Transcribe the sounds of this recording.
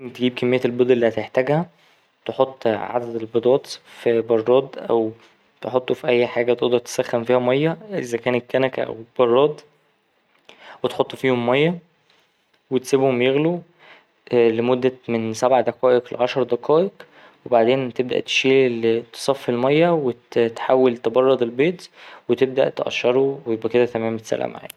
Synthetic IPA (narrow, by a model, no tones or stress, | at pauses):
nt̪eɡiːb̚kæmːejːælbod̪ˤʔelːiːhæt̪eħt̪æɡhæ | t̪eħot̪ˤːʕa̰d̪æd̪elbed̪ˤɑːt̪fibɑrˤːɑːd̪ˤʔæ̰w | t̪eħot̪ˤːufiʔæjːħaːɡæt̪eʔd̪ɑɾˤt̪e̥sæxːæmfiːhæmɑjːæʔezækæːnekːænækʔæ̰wb̥ɑrˤːɑːd̪ˤ | wet̪ħot̪ˤːfiːhomːɑjːɑ | wet̪sibhomjeɣlu | ʔlemod̪ːæmensæbʕad̪ɑqɑːʔeqlḛʕɑʃɑɾˤd̪ɑqʰɑːʔeq | webaʕd̪eːnt̪eb̚d̪æ̰ʔt̪e̥ʃiːlilet̪e̥sˤɑfːelmɑjːæwet̪t̪ħawːelt̪ebɑrˤːɑd̪ˤelbeːt̪wet̪eb̚d̪æ̰ʔt̪eʔæ̰ʃːɑɾˤowejebʔæked̪æt̪æmæːmet̪sæ̰lʔæ̰ma̰ʕa̰ːni